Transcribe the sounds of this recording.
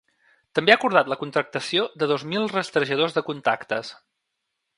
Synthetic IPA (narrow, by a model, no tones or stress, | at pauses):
t̪əmbeakuɾð̞at̪ləkunt̪ɾək̚t̪əsiod̪əðozmilˠrəst̪ɾəʒəð̞ozðəkunt̪akt̪əs